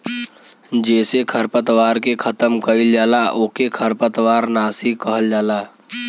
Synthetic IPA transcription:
d͡ʒɛːsekʰəɾpət̪ʋaːɾkekʰət̪əmkəild͡ʒaːlaʔoːkekʰəɾpət̪waːɾnaːsikəɦəld͡ʒaːlaː

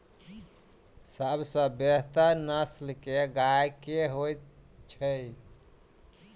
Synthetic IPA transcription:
səbsə̃beɦt̪anəslkeɡajkeɦojt̪t͡ʃʰəj

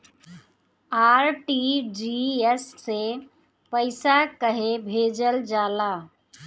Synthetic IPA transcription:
aːɾʈid͡ʒiesse | pəɪsakəɦebʱeːd͡ʒəld͡ʒaːlaː

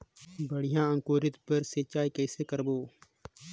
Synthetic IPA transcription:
bəɽɪjãːəŋkoːɾɪt̪pəɾseːt͡ʃaːikɛːseːkəɾboː

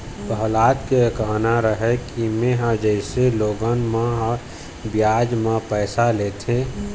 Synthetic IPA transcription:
pəɦlaːt̪kekəɦnaɾəɦɛkimeɦad͡ʒəɪseloːɡənmãɦ | bjaːd͡ʒmãpɛːsaleːt̪ʰẽ

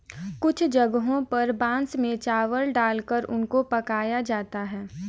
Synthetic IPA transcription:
kʊt͡ʃʰd͡ʒɐɡɦõpɐɾbãːnsmẽt͡ʃaːʋəlɖaːlkəɾʊnkopɐkaːjad͡ʒaːt̪aɦɛː

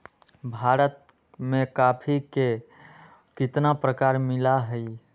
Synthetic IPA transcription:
bʱaːɾət̪̚ | mẽkapʰike | kɪt̪napɾəkaːɾmɪlaɦəi

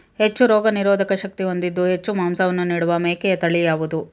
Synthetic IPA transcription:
he̞t͡ʃːuɾɔːɡɐniɾɔːd̪ʱɐkɐʃɐk̚t̪io̞nd̪id̪ːuɦe̞t͡ʃːumaːmsɐʋɐnːuniːɽuʋɐmeːkɛjɐt̪ɐɭijaːʋud̪u

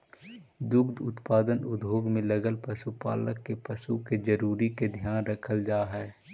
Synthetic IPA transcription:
d̪ʊkd̪ʊ̰t̪paːd̪ənʊd̪ʱɦoːɡmẽləɡəlpəsupa̰ːləkːepəsuked͡ʒəɾuːɾiked̪ʱjaːnɾəkʰəld͡ʒaːɦɛː

